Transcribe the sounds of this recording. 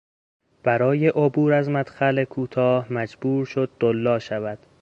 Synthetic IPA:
b̥æɾɒːje̞ʔobuːɾæzmæd̪̥xæle̞kʰuːt̪ʰɒːhmæd͡ʒbuːɾʃod̪̚ːolːɒːʃævæd̪̥

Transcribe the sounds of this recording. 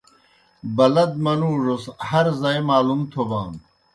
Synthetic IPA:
bɐlɐd̪mɐnuːʐoshɐɾzaːjmaːlumt̪ʰobaːn

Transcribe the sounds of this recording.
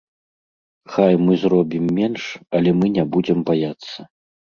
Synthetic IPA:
xajmɨzrɔbʲimːʲɛnʂɐlʲɛmɨnʲabud͡zʲɛmbajat̪sːɐ

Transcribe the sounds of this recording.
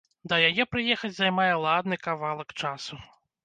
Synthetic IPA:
d̪ɐjajɛpɾɨjɛxɐt͡sʲzajmajɛlˠad̪nɨkavalˠɐkt͡ʂasu

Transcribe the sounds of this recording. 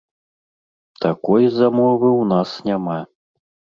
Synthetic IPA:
t̪ʰakɔjzamɔvɨwnasnʲama

